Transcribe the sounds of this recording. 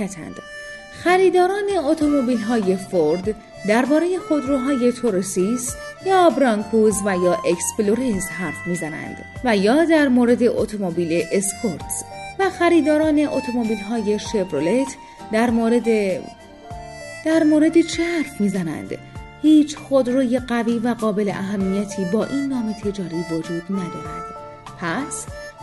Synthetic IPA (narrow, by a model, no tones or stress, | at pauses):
æt̪ʰæ̰nd̪̥ | xæɾiːd̪ɒːɾɒːne̞ot̪ʰo̞mobiːlɦɒːje̞foɾd̪ | d̪æɾbɒːɾe̞je̞xo̞d̪ɾuːɦɒːje̞t̪ʰoɾosist̪jɒːbɾɒːŋkʰuzvæjɒːʔeksploɾesɦæɾfmiːzænæ̰nd̪̥ | væjɒːd̪æɾmoɾe̞d̪e̞ʔot̪ʰomobiːle̞ʔespʰoɾt̪svæxæɾiːd̪ɒːɾɒːne̞ʔot̪ʰo̞mobiːlɦɒːje̞ʃe̞bɾolet̪ʰ | d̪æɾmoɾed̪e | d̪̥æɾmoːɾe̞d̪et͡ʃʰehæɾfmiːzænæ̰nd̪̥ | hiːt͡ʃʰxod̪ɾoːje̞ɢæviːvæɣɒːbe̞le̞̰ʔæɦæmːijæt̪ʰiːbɒːʔiːnːɒːmet̪ʰe̞d͡ʒɒːɾiːvod͡ʒuːd̪næd̪ɒːɾæ̰nd̪̥ | pʰæs